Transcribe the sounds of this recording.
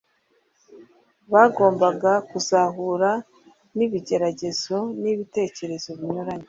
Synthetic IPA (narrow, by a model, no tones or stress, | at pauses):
βaːɡo̞ːmbaɡakuzaɦuɾa | niβiɟe̞ɾaɟe̞z̥o̞niβite̞ːce̞ɾe̞zo̞βiɲuɾaɲe